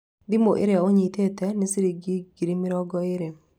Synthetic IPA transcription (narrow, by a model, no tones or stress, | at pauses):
dɪmoʔɪ̰ɾɪaoɲitetɛnɪsiɾiɡiɡ̥iɾimɪɾɔɡɔɪɾe